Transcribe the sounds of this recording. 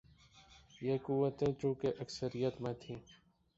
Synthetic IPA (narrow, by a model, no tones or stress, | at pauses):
jeːkuwət̪ẽːt͡ʃũːkeʔəksəɾijət̪mẽːt̪ʰĩː